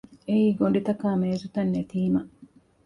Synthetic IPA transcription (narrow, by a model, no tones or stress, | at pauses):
eiːɡonɖit̪ɐkaːmeːzut̪ɐnːet̪iːmɐ